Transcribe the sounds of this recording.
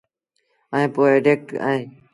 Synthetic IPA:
əẽːpoːeːɖeːk̚ʈə̰ːẽː

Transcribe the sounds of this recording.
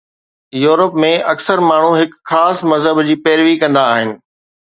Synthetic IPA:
juːɾəpmẽʔɐksəɾmaːɳ̤ũɦɪkxaːsmɐzɦəbd͡ʑiːpɛːɾʋikɐ̃nd̪aːɦɪnɪ̆

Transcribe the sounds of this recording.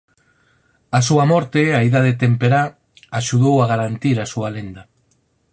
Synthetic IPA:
asuamɔɾt̪eaiðað̞et̪empeɾa | aʃuðowaɣaɾant̪iɾasualend̪a

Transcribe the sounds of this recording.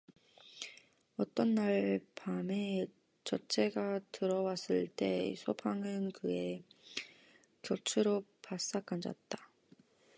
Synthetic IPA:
ʌt͈ʌnːaɭpame | t͡ɕʌt͡ɕʰe̞ɡatɯɾʌwas͈ɯɭt͈e̞̰sʰopʰaŋɯnkɯe̞ | kjʌt͡ɕʰuɾopas͈ak͈and͡ʑa̰t̚t͈ḁ

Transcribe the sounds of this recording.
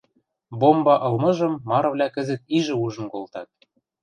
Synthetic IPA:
bombɑʔɤ̆lmɤ̆ʒɤ̆mːɑɾɤ̆βlʲækə̆zɘ̆t̪̚iʒɘ̆uʒɤ̆nkolt̪ɑt̪̚

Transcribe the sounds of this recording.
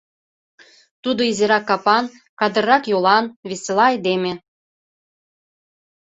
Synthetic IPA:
t̪ud̪oizeɾɑkːɑpɑn | kɑd̪ə̆rːɑkjolɑnβeselɑɑjd̪emʲĕ

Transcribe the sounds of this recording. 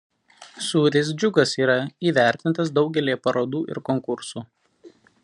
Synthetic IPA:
suːɾʲeːs̬d͡ʒʲʊɡɐsiːɾɐiːʋʲæˑɾʲt̪ʲɪnt̪ɐsd̪ɒʊɡʲɛlʲiːpɐɾoːd̪uːʔɪ̰ɾkɔŋkʊɾsuː

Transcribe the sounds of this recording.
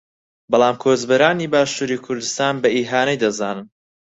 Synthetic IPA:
bɐlˠaːmkʰoːzbɐɾaːniːbaːʃuːɾiːkʰʊɾd̪ɨst̪aːnbɐiːɦaːnɛjd̪ɐzaːnɨn

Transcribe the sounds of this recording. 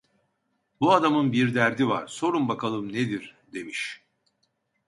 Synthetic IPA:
buad̪amɯnbiɾd̪æɾd̪ivaɾ̥so̞ɾumbakʰalˠɯmned̪iɾd̪e̞miʃ

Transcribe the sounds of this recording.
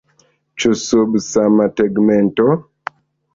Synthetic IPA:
t͡ʃusobsamatɛɡmɛntɔ

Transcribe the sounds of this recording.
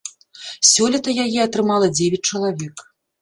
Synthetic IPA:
sʲɔlʲit̪ɐjajiɐt̪ɾɨmalˠɐd͡zʲevʲɛt͡s̚ʲt͡ʂɐlˠavʲɛk

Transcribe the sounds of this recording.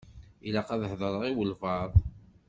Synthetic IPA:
ilaqɑðəħðˤəɾˤəʁiwəlvɑðˤ

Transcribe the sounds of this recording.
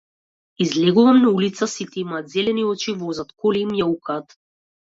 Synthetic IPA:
izlɛɡuvamnaulit̪sasit̪ɛimaːt̪zɛlɛniɔt͡ʃivɔzat̪kɔliimjaukaːt̪

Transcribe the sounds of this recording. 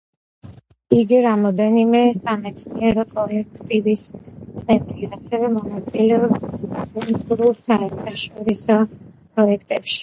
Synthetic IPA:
iɡiɾamɔd̪ɛnimɛsamɛt̪sniɛɾɔpʼɾɔlɛkʰt̪ʼibist̪sʼɛnt̪ʼɾiasɛvɛmɔnat̪sʼilɛɔbkʼulˠt̪ʼuɾulˠsaɛɾt̪ʰaʃɔɾisɔpʼɾɔɛkʰt̪ʼɛpʃi̥

